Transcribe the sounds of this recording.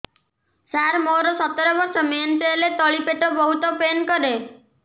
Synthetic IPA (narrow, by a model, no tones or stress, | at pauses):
saɾmoɾɔsɔt̪ɔɾɔbɔɾsɔmenselet̪ɔɭipeʈobɔɦut̪ɔpenkɔɾe